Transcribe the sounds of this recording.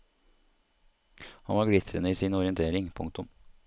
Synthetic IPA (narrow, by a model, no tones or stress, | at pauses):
hɑnʋɑːɡɽɪt̪ʰɾənəiːsiːnɔɾɪənt̪ʰeːɾɪŋpʰʊ̰ŋkt̪ʊm